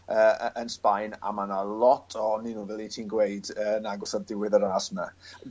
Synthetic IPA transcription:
əːʔənspajna̰manalˠɔtʰɔninuːvɛlˠitʰiːnɡwejdəːnaɡɔsɔdɪwɪðəɾaːsma

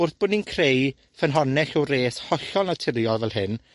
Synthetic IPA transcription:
ʊrθb̥ʊninkʰrej | fənɦɔnɛɬɔreːshɔɬɔlˠnatʰɪɾjɔvɛlˠɦɨn

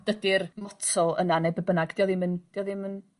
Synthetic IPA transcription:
d̥ədɪrmɔtʰɔlˠə̰nanebəbənaɡd̥iɔðɪmənd̥iɔðɪmən

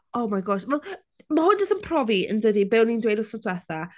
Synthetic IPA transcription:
owmajɡɔʃvɛlˠ | mahʊnd͡ʒəsənpʰrɔviə̰ndədibɛwnindwejdɔsɔtʰwɛθa

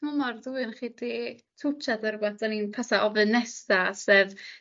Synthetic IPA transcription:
mɔmarðuɨnχiːditʰut͡ʃʰadaɾʊbaθd̥aninpʰasaʔɔvɨnɛsasɛv

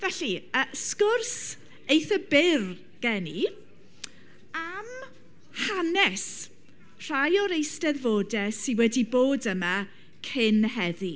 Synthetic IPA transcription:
vɛɬiəskʊrs | ejθəbɪr | ɡ̥ɛni | am | hanɛs | r̥ajɔɾejstɛðvoːdɛsɪwɛdiboːdəma | kʰɪnɦɛði

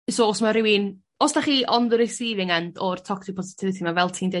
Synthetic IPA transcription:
soɔsmaɾɪwin | ɔsd̥aχiːʔɔnðɨɾɛsiːvɪŋandɔrtʰɔksɪk̚pʰɔsɪ̥tʰɪvɨθimavɛlˠtʰiːnde

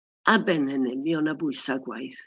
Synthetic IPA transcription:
abɛnɛnɛmiɔnabʊɨsaɡwajθ

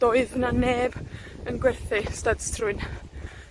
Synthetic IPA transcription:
d̥ɔɨðnaneːbənɡwɛrθɪstadstʰrʊɨn

